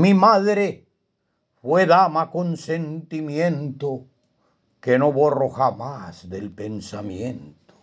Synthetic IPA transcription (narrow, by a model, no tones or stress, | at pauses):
mimaðɾe | fweðamakonse̞nt̪imjẽnt̪o | kenoβoroxamasd̪elpensamjẽnt̪o̥